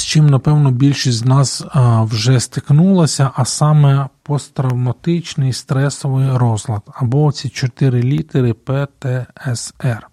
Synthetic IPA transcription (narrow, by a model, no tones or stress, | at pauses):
st͡ʃɪmnɐpɛwnɔbʲilʲʃisʲznɑswʒɛst̪ɪknulˠɐsʲɐʔɐsɑmɛpɔst̪ɾɐwmɐt̪ɪt͡ʃnɪjst̪ɾɛsɔʋɪjɾɔzlˠɐd̪ɐbɔːt͡sʲit͡ʃɔt̪ɪɾɪlʲit̪eɾɪpɛt̪ɛɛsɛr